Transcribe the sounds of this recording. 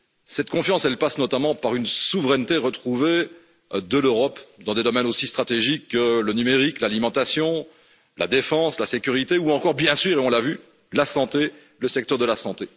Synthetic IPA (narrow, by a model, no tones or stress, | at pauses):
sɛt̪kɔ̃fjɑ̃sɛlpasnɔt̪amɑ̃paʁynsuvʁɛnt̪eʁət̪χuve | d̪əløʁɔpd̪ɑ̃d̪ed̪ɔmɛnosist̪χat̪eʒikːələnymeʁiklalimɑ̃t̪asjɔ̃ | la̰d̪efɑ̃slasekʲyʁit̪euɑ̃kɔʁbjɛ̃syːʁeɔ̃lavy | lasɑ̃t̪e | ləsɛk̚t̪œʁd̪əlasɑ̃t̪e